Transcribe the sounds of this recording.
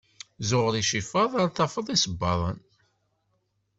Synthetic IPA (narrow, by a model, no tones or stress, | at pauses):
zʊʁəɾiʃifɑðˤɑɾθɑfəðˤisəbːɑðˤən